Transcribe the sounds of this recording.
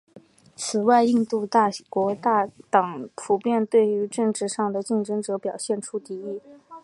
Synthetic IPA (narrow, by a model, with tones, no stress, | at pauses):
t͡sʰɹ̩˨˩wa˥˧ɪi˥˧ŋt̪u˥˧t̪a˥˩kwɔ˧˥t̪a˥˩t̪ɑ˨˩ŋpʰu˨˧˩pjɛ˥˧nt̪we˥˩ɪy˧˥ʈ͡ʂɤ˥˧ŋʈ͡ʂɻ̩˥˧ʂɑ˥˩ŋd̪ə˩t͡ɕi˥˩ŋʈ͡ʂɤ˥ŋʈ͡ʂɤ˧˥pjɑ˨˩ʊɕjɛ˥˩nʈ͡ʂʰu˥t̪i˧˥i˥˩